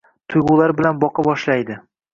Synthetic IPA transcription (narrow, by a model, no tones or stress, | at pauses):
t̪ʰʊjʁʊlˠaɾbɪlanbɒqɑbɒʃlajd̪ɪ